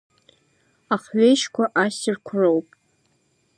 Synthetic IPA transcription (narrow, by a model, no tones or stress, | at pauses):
aχɥejʃkʷʰaʔasɪrkʷʰrowpʼ